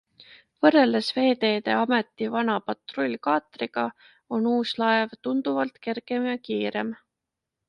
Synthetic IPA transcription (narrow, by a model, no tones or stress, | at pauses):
vɤre̞lesve̞ːt̪e̞ːd̪e̞ɑme̞t̪ːˑivɑnɑpɑt̪ro̞lʲːkɑːt̪ˑriɡ̥ɑ | o̞nuːslɑevt̪und̪uvɑlt̪ke̞rɡ̥e̞mjɑkiːɾe̞m